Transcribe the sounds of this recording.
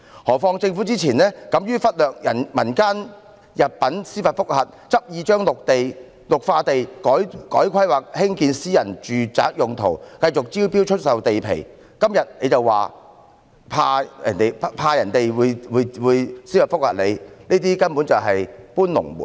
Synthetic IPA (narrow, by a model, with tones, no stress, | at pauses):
hɔː˨˩fɔː˧ŋt͡sɪ˧ŋfu˨˥t͡siː˥t͡sʰiː˨˩nlɛː˥kɐ˨˧˥mjyː˥fɐ˥t̚lœː˨k̚jɐ˨˩nmɐ˨˩nkaː˥n | jɐ˨p̚pːɐ˨˥nsiː˥fɐ˨t̚fʊ˥k̚hɐ˨t̚ | t͡sɐ˥p̚jiː˨˧t͡ʃœː˥ŋlʊ˨k̚t̪e˨j | lʊ˨k̚faː˧t̪e˨jkɔː˨˥jkɔː˨˥jkʷʰɐ˥jwaː˨˩k̚hɪ˥ŋkiː˧nsiː˥jɐ˨˩nt͡ʃyː˨t͡sa̰ː˨˥k̚jʊ˨ŋt̪ʰo̰˨˩wkɐ˧jt͡sʊ˨k̚t͡siː˥wpi˥wt͡ʃʰɵ˥t̚sɐ˨wt̪e˨jpʰḛ˨˩j | kɐ˥mjɐ˨t̚ne˨˧jt͡sɐ˨wwaː˨ | pʰaː˧jɐ̰˨˩nt̪e˨jppʰaː˧jɐ˨˩nt̪e˨jwuː˨˧jwuː˨˧jwuː˨˧jsiː˥fɐ˨t̚fʊ˥k̚hɐ̰˨˩t̚le˨˧jniː˥t̪iː˥kɐ˥npuː˨˥nt͡sɐ˨wɦɐ˨jpuː˥nlʊ̰˨˩ŋmṵ˨˩n